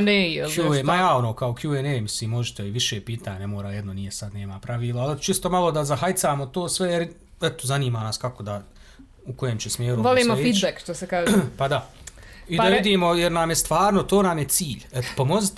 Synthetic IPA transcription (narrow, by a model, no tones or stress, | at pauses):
neeluemajaːo̞noːkaokʰjuenejmisliːmːo̞ʒit̪eiʋiʃeːpiːt̪aːɲamoːɾaːjed̪nonijesad̪ne̞ːmapɾaʋiːlˠaalet͡ʃist̪o̞malˠo̞d̪azaɦajt̪saːmot̪o̞ːsʋejeɾ | ɛt̪ozaniːmaːnaːskako̞d̪a | uko̞jeːmt͡ɕesmʲjeːɾuʋoliːmoefiːd̪bekʃt̪osekaːʒpad̪a | id̪aʋid̪iːmo̞jeɾnamjest̪ʋaːɾno̞t̪oːnaːmjet̪siːʎet̪o̥pomo̞zit̪